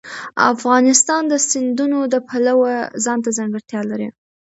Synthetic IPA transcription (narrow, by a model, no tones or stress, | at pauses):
a̰fɣɑnɪst̪ɑnd̪əsɪnd̪unod̪əpʰalawazɑnt̪azaŋɡəɾt̪jɑlaɾḭ